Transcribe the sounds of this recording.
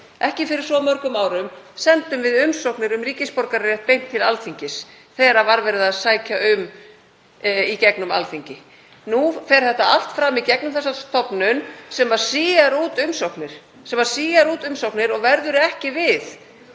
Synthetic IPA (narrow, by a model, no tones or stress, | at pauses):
ʔɛhcɪfɪɾɪɾ̥sɔmœɾkʏmaːwɾʏm | sɛnt̪ʏmvɪðʏmsowknɪɾʏmriːcɪspɔɾkaɾɛht̪̚pejm̥t̪ʰːɪlalθiɲcɪs | θɛːɾavaɾvɛɾɪðaðsaːjcaʏm | icɛknʏma̰lθiɲcɪ | nufɛɾ̥θɛht̪aal̥t̪fɾamːicɛknʏmθɛsːast̪ʰɔpnʏnsɛmvaɾ̥siːjaɾuːt̪ʏmsowknɪɾ̥ | sɛmvaɾ̥siːjaɾuːt̪ʏmsowknɪɾɔɣvɛɾðʏɾʏɛhcɪvɪθ